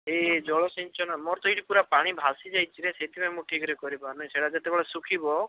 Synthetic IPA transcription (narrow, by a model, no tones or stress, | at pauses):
ed͡ʒɔɭɔsiɲt͡ʃɔnamɔɾt̪ɔiʈipuɾapaɽ̃ibʱasid͡ʒajt͡ʃʰiɾeset̪ipamũʈʰikɔɾekɔɾipaɾnɔjseɽad͡ʒet̪ebeɭesukʰibɔ